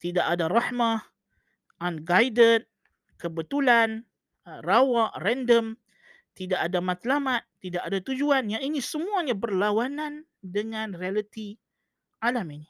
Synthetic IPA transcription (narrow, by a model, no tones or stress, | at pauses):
t̪idaʔadaraħma | anɡajdət̪̚ | kəbət̪ulan | rawaʔrɛndəm | t̪idaʔadamãt̪lamat̪̚ːidaʔadat̪ud͡ʒuanjaŋinisəmuaɲabərlawanãn | dəŋãnrialət̪i | ʔalamini